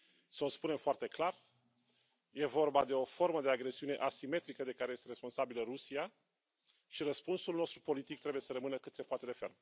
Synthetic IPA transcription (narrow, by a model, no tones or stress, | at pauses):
səospune̞mfoart̪e̞klar | je̞vo̞rbad̪e̞o̞fo̞rməd̪e̞aɡɾe̞siune̞ʔasime̞t̪ɾikəd̪e̞kaɾeje̞st̪ɾe̞spo̞nsabilərusia | ʃirəspunsulno̞st̪ɾupo̞lit̪ik̚t̪ɾe̞buje̞səɾəmɨnəkɨt̪se̞poat̪e̞d̪e̞fe̞rm